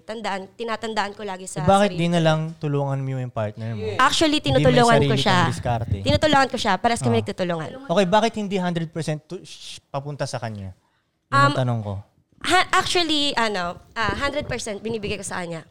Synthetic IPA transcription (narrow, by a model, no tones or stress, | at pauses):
t̪ɐnd̪ɐʔant̪ɪnaːt̪ɐnd̪ɐʔɐnkolaːɡɪsɐbaːkɪt̪dd̪inɐlɐŋt̪ʊloːŋɐnmjojʊŋpaɹt̪̚nɛɹmʔak̚t͡ʃʊɐlit̪ɪnut̪ʊloːŋɐnkoʃaɪskaɾt̪ɛɪnuːt̪ʊloːŋɐnkoʃapaːɾɐskɐmɪnɐɡ̚t̪uːt̪ʊloːŋɐ̰nokejbaːkɪt̪̚hɪnd̪iɦand̪ɾɛd̪̚pɛɹsɛnt̪̚pɐpʊnt̪asɐkɐɲa̰ | ʔɐmt̪ɐnoŋko̞̰ | haʔak̚t͡ʃʊɐliʔɐnoʔaɦand̪ɾɛd̪̚pɛɹsɛnt̪̚bɪniːbɪɡajkosɐkɐɲːa